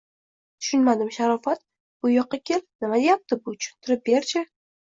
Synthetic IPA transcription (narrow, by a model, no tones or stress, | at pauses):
t̪ʰʊ̥ʃʊnmad̪ɪmʃaɾɒfat̪ | b̥ʊjɒqʰːɑkʲʰe̞lnɪmad̪ejap̚t̪ʰɪbʊʊ̥ʃʊ̥nt̪ʰɪɾɪp̚be̞ɾt͡ʃʰɪ